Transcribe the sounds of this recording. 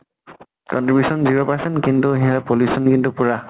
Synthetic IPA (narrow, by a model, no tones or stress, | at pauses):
kɔntɹibjusɔnziɹɔpasɔnkintuɦĩãapoljusɔnkintupuɹa